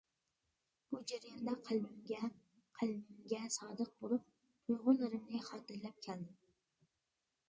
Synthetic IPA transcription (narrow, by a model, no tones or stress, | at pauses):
b̥ud͡ʒæɾijɑnd̪ɛqʰəlmɪmɡʲɛ | qʰəlmɪmɡʲɛsɑːd̪əq̚bolˠup̚ | t̪ʰʊjʁʊnːɪɾɪmnɪχɑːt̪ɨɾlɛp̚kʲʰæld̪ɪm